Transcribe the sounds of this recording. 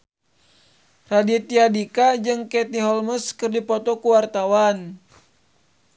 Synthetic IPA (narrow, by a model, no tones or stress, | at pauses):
radit̪iadikad͡ʒɨŋkɛt̪̚niɦɔlməskɨrdipɔt̪ɔkuwart̪awan